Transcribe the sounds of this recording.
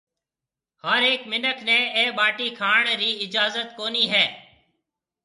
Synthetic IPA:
həɾeːkmɪnəkʰneːeːɓaːʈiːkʰaːɳɾiːɪd͡ʒaːzət̪koːniːɦɛː

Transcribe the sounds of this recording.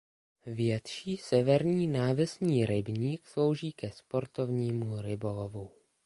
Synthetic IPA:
vjɛt̪ʃiːsɛvɛɾɲiːnaːvɛsɲiːɾɪbɲiːkslo̞wʒiːkɛspo̞ɾt̪ovɲiːmuɾɪbo̞lovu

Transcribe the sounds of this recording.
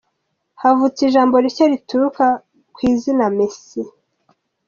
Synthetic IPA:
havut͡siʒaːmbo̞ɾiɾcaɾituɾuka | kwiːzinamesi

